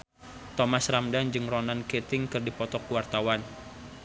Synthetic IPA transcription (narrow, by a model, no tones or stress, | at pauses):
t̪ɔmasramdand͡ʒɨŋrɔnanket̪ɪŋkɨrdipɔt̪ɔkuwart̪awan